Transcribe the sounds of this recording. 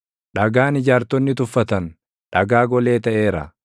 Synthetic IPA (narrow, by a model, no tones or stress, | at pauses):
ᶑɐɡaːnɪd͡ʒaːɾt̪ɔnːɪt̪ʊfːɐt̪ɐn | ᶑɐɡaːɡɔle̞ːt̪ɐʔeːɾɐ̰